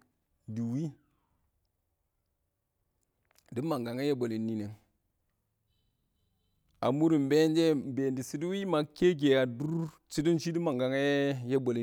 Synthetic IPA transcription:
du˨wi˦ | di˦ma˨ŋɡa˨ŋe˦je˦bo˨li˨nːi˦˨ne˨ŋ | a˨mu˦ɾi˨mbe˦nd͡ʒe˦be˨ndi˨si˦du˦wi˦ma˨ke˦k̬e˨a˨du˦ɾ | t͡ʃi˦di˦nʃi˦di˦ma˨ŋɡa˨ŋe˦je˦bo˨li˨

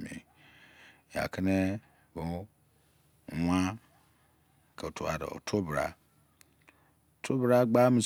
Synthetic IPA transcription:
mḭ˨ | ja̰˨kʰi˦ne˦ | bo˦˨ | wʷa˦ | ke˨tʰu˨a̰˨ɾḛ˨o̰˨tʰo˦bɾa̰˦˨ | tʰo˦bɾa˦ɡ͡ba˦mĩ˨s

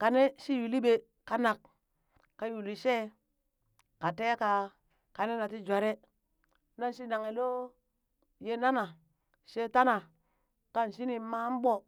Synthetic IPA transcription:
ka˨ne˦ʃi˦ju˨li˦be˨ | ka˨na˨k | kːa˨ju˨li˨ʃe˦ | ka˨te˦ka˨ | ka˨ne˦na˨ti˦d͡ʒʷa˨ɾe˦ | na˦nʃi˦na˨ŋe˨lo˦ | je˦na˦na˨ | ʃe˦ta˦na˨ | ka˦nʃi˦ni˨ma˦m˦bo˦

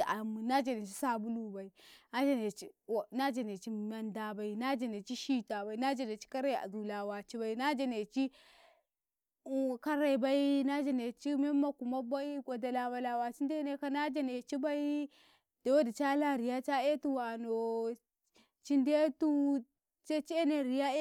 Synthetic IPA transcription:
a˨mi˨na˦d͡ʒa˨ne˨t͡ʃi˦sa˦bu˦lu˦ba˨i˨na˦d͡ʒa˨ne˨t͡ʃi˦˨na˦d͡ʒa˨ne˨t͡ʃi˦ma˨nda˨ba˨i˦na˦d͡ʒa˨ne˨t͡ʃi˦ʃi˦ta˨ba˨i˦na˦d͡ʒa˨ne˨t͡ʃi̥˦ka˦ɾa˦i˨a̰˨zu˨la˨wa˨t͡ʃi˦ba˨i˦na˦d͡ʒa˨ne˨t͡ʃi˦˨ | ka˦ɾa˨i˨ba˦i˦na˦d͡ʒa˨ne˨t͡ʃi˦me˦ma˦ku˨ma˦ba˦i˦ɡʷo˨da˨la˨ba˨la˨wa˨t͡ʃi˦nde˦ne˦ka˦na˦d͡ʒa˦ne˨t͡ʃi˦ba˦i˦ | d̥e˨wo˦di˨t͡ʃa˦la˦˨ɾi˨ja˦t͡ʃa˦e˦tu˦wa˨no˨ | t͡ʃi˦nde˦tu˦ | t͡ʃe˦t͡ʃi˦e˦ne˨ɾi˨ja˦

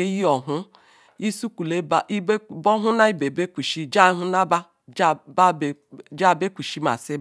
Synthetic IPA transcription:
e˦ji˦ɔ˨ɦʊ˦ | i˦su˦ku˨le˦ba˦˨i˦bɔ˦ɦu˦na˦i˦be˨be˦kʷi˨ʃi˦d͡ʒa˦ɦu˦na˦ba˦ | d͡ʒba˦˨ | d͡ʒa˦˨be˦kʷi˨ʃi˦ma̰˨se˦

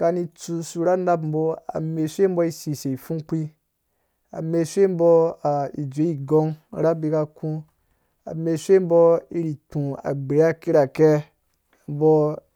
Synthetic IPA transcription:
ka˧ni˧t͡su˧su˧ɾa˦na˦pm̩˨bo˦a̰˨me˧ʃʷe˦m̩˦bo˦i˦si˨se˨i˨fũ˦k͡pi˦ | a̰˨me˧ʃe˦m̩˦bo˧a˨i˨d͡ʒʷe˨˦i˨ɡo˦ŋ˦ɾa˦bi˧ka˧kũ˦ | a̰˨me˧ʃʷe˦m̩˦bo˦i˧ɾi˨tũ˨a̰˨ɡ͡be˨˦a˦ki˦ɾa˨ke˦ | m̩˦bo˧

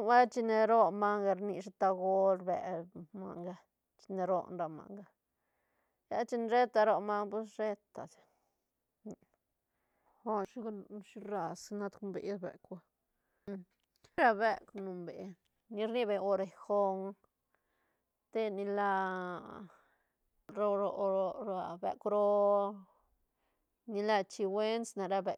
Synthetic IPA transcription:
wa˦t͡ʃi˧ne˧ɾo˦ma˦ŋɡa˧ɾni˧ʂ̬e˧t̪a˧ɡo˦lbḛ˨ma̰˧ŋɡa˧ | t͡ʃi̥˧ne˧ɾo̰˦˧nɾa˧ma̰˨ŋɡa˧ | ja̰˦t͡ʃi˧n˧ɾe˦t̪a˧ɾo˧ma˦ŋpu˦sɾe˦t̪a˨d̪ | xo˦ʃʃi˦ɾa˧sna˦˧t̪ku˧mbḛ˧d̪bḛ˨ka˧ | ɾa˧be˧knu˨˧mbḛ˨ | ni˧ɾni˦be˧o˧ɾe˨xo˧ŋ | t̪e˦ni˧la˧ | ɾo˧ɾo˧ɾo˧ɾa˧bḛ˧kɾo˦ | ni˧la˧t͡ʃi˧we˦nsna˨ɾa˧be˨

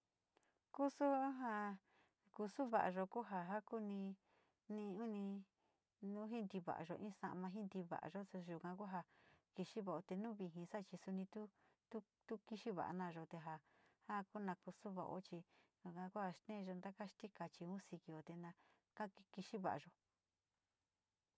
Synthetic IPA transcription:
ku˦su˦ɦa˧ | ku˧su˦βa̰˨ʔa˧ʒo˧ku˦ɦa˧ɦa˦ku˦nĩ˧ | nĩ˧ũ˦nĩ˧ | nũ˦ɦi˦nd̪i˧βa̰˨ʔa̰˨˧ʒo˧ʔĩ˦sã̰˧mã˧ɦi˦nd̪i˧βa̰˨ʔa̰˨˧ʒo˦so˧ʒu˨kã˧ku˦ɦa˧ki˧ʃi˦βa˧˨o˧t̪e˧nũ˦βi˧ɦĩ˧sa˦˧t͡ʃi˧su˧nĩ˧t̪u˦ | t̪u˦ | t̪u˦ki˧ʃi˦βa̰˨ʔa̰˧nã˧˨ʒo˧t̪e˧ɦa˧ha˦ku˦nã˧ku˧su˦βa̰˧˨ʔo̰˧˦t͡ʃi˧ʒu˧kã˧ku˦ha˧ʃt̪ẽ˦˧ʒo˧nd̪a˦ka˦ʃt̪i˦ka˧t͡ʃi˧ũ˦si˧ki˧o˨˧t̪e˧nã˧ | ka˦i˧ki˧ʃi˦βa̰˨ʔa̰˧ʒo˧

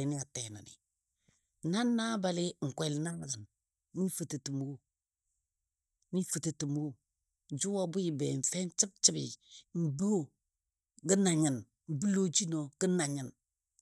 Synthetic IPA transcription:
i˨ni˦a˨te˨na̰˨nḭ˨ | na˦nːa˦ba˨lɪ˦ŋ̩˨kʷɛ˨lna˦ŋ˨lə˨n | ni˦fə˨tə˨tə˨mo˦ | ni˦fə˨tə˨tə˨mo˦ | d͡ʒu˦wa˦bu˦ji˨bɛ˨ɱ̩˨fɛ˦nt͡ʃə˦b̚t͡ʃə˦bḭ˨m̩˨bo˦˨ | ɡə˦na˨ɲə˨n | m̩˨bu˦lo˦d͡ʒi˦no˨ɡ̥ə˦na˨ɲə˨n

